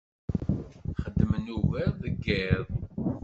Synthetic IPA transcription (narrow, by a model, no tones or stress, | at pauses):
χəd̪ːəmənuvæɾðəɡeðˤ